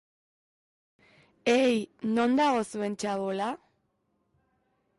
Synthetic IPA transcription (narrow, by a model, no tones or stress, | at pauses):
ejno̞nd̪aɣo̞sue̞nt͡ʃaβola